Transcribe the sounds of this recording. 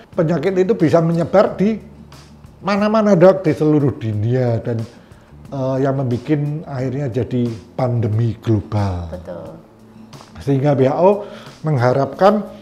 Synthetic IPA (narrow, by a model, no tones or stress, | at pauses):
pəɲakɪt̪it̪ubisaməɲəb̥ard̥i | manamanadɔk̚d̥isəluɾʊhd̥uniadan | əjaŋməmbikɪnaɪrɲad͡ʒadipandəmiɡ̥lob̥albət̪ʊl | səhiŋɡabeɦaʔoməŋɦaɾap̚kan